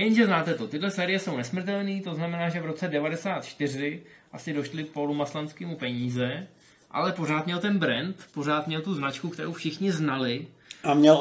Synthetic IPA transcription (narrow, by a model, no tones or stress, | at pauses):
jɛnʒɛznaːt̪ɛt̪o̞t̪ɪdlɛsɛːɾɪjɛso̞wnɛsmr̩t̪ɛlniːt̪o̞znamɛnaːʒɛvɾo̞t͡sɛdɛvadɛsaːt̪t͡ʃt̪ɪr̝ɪ | ʔasɪdo̞ʃlɪpo̞lumaslanskiːmupɛɲiːzɛ | ʔa̰lɛpo̞ɾ̝aːt̪mɲɛlt̪ɛnbɾɛnt̪po̞r̝aːt̪mɲɛlt̪uznat͡ʃkukt̪ɛɾo̰wfʃɪxɲɪznalɪamɲɛl